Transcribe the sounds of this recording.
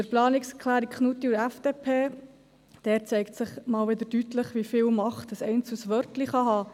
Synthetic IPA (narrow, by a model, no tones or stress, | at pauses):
əɾplɑːnɪkskʰlæːɾikχnut̪iuɾæfd̥eːpʰeː | d̥ɛːt͡sɛɪktsɪχmɑːlʋɪd̪əɾdytləχʋifɪːlmɑχtəsɛɪnt͡susʋœɾtliχɑɦɑː